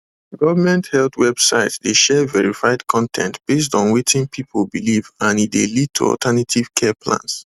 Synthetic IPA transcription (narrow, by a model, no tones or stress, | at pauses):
ɡɔvəmɛ̃nthɛlθwɛb̥sa̰ɪtdeʃɛvɛɹifaɪdkʰɔ̃ntʰɛ̰̃ntb̥es̬tɔ̃nwetʰĩnpʰipʰolˠbilivãnidelid̚tʰṵɔ̰ltʰɛnatʰiv̥kʰɛpʰlã̰ns